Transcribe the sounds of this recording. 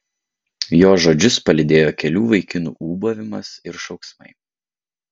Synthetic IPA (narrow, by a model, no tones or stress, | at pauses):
joːʒoːd͡ʒʲʊspɐlʲɪd̪ʲeːjoːkʲɛlʲuːʋɐɪkʲɪnṵːʔuːboʋʲɪmɐsɪɾʃɒʊksmɐɪ